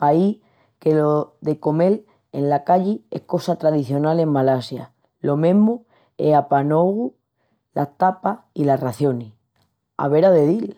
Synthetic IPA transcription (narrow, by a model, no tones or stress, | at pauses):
pai | ke̞loðe̞ko̞me̞l | enlakaʎie̞̰hko̞sat̪ɾaðiθjo̞nale̞mmːalasja̰ | lo̞mẽɦmu | ḛapanoɣu | la̰ht̪apailaraθjo̞ni | a̰βe̞ɾaðe̞ðil